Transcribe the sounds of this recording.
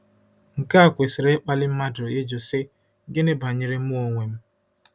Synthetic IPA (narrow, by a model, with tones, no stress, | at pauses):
ŋ̩˨ka˦a˦˨kʷe˨sɪ˨ɾe˦k͡pa˦lɪ˦m̩˦ma˦do˨e˦d͡ʒo˨sɪ˦ | ɡɪ˦ne˦ba˨ɲɪ˨ɾe˦mu˦o˨ŋʷe˨m̩˦